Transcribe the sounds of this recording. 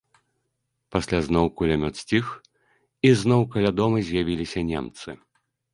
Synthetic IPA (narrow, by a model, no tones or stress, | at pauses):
pasʲlʲaznɔwkulʲamʲɔt̪sʲt͡sʲix | iznɔwkalʲad̪ɔmɨzʲjavʲilʲisʲɐnʲɛ̰mt̪sɨ